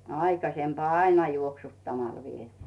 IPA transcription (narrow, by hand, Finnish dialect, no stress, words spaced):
ɑikɑsempŏɑˑ ɑinɑ juoksutːɑmɑl ʋieti̥ː